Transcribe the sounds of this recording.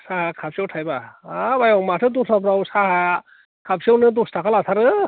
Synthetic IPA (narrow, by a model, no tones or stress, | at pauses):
saɦakʰap̚siawtʰajbaabajɔmatʰɯdusapʰɾawsaha | kʰapsiawnɯdustʰakʰalatʰaɾɯ